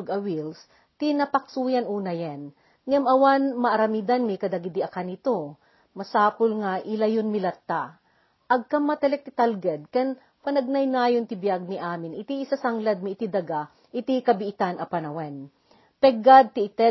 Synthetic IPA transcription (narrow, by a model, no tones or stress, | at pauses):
ɡɐwils | t̪inɐpɐk̚suːjanʔuːnɐjan | ŋamɐwanmɐʔɐɾɐmid̪anmikɐd̪aɡid̪iʔɐkanɪt̪o | mɐsaːpolŋaʔɪlɐjonmɪlɐt̪ːa | ʔɐɡ̚kɐmːɐt̪ɛlɛk̚t̪ɪt̪alɡɛd̪̚kɛn | pɐnɐɡ̚najnaːjont̪ɪbjaɡ̚niʔaːmɪnɪt̪iːsasɐŋlad̪̚mɪːt̪id̪ɐɡa | ʔɪt̪ikɐbɪʔɪt̪anʔɐpɐnɐwɛn | pɛɡad̪̚t̪iʔɪt̪ɛ